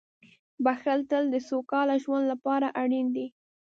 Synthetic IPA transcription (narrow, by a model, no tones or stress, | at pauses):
baxəlt̪əld̪əsokɑlaʒwand̪lapɑɾaʔaɽind̪i